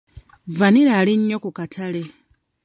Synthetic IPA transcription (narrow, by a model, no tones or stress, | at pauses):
vaniɾaːliɲːokukatʰale̞